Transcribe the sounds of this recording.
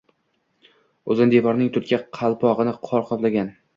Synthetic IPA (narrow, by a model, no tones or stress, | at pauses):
ɵzɪnd̪evɒɾnɪŋt̪ʰʊt̪̚kʲʰaqʰɑlˠpʰɒʁɨnɪqʰɒɾqʰɒt̪laɡʲan